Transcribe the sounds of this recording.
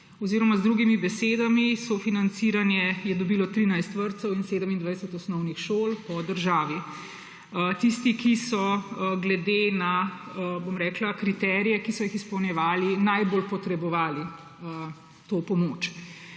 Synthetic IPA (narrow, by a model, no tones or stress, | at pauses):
ɔziːɾɔmazd̪ɾuɡimibɛsed̪amisofinant̪siːɾanjɛjɛd̪ɔbiːlɔt̪ɾiːnajst̪ʋəɾt̪sɛwinseːd̪əmind̪ʋajɛsɛt̪ɔsnɔwnixʃoːlpɔd̪əɾʒaːʋi | t̪ist̪ikisɔɡlɛd̪ena | bomɾɛːklakɾit̪ɛːɾijɛkisɔjixispɔwnjɛʋaːlinajbolpɔt̪ɾɛbɔʋaːli | ə | t̪oːpɔmoːt͡ʃ